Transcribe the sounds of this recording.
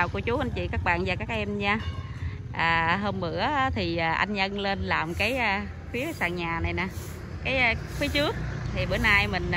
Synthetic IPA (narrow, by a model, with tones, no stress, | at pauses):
a˨˩wku˧˩ət͡ɕu˨˦ʔa˧jnt͡ɕḭ˧˨kaː˦˥k̚ɓa̰ː˧˨nzaː˨˩kaː˦˥k̚ʔɛ˧mɲaː˧ | ʔaː˨˩ɦə˧mmɨ̰˧˥ə˨˦t̪ʰi˨˩ʔːʔa̰˧jŋʔə˧nle˧nlaː˨˩mkaː˨˦jʔa˨˩ | fi˨˦əsaː˧˨˩ŋɲaː˨˩na˨˩jnaː˨˩ | kaː˨˦jfi˨˦ət͡ɕɨ˦˥ət̚t̪ʰi˨˩ɓə˨˦jna˧jmï˨˩ŋ̟